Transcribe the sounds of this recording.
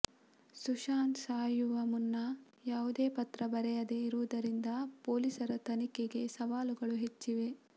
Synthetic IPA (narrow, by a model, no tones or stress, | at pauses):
suʃaːnsaːjuʋɐmunːɐ | jaːʋud̪eːpɐt̪ɾɐbɐɾɛjɐd̪eiɾuʋud̪ɐɾind̪ɐpo̞ːlisɐɾɐt̪ɐnikeɡe̞sɐʋaːluɡɐɭuɦet͡ʃːiʋe̞